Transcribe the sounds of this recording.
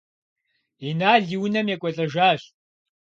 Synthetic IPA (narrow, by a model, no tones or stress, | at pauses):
inaːɮiwʊnɐmjɛkʷʼɔɬʼɐʒaːɕ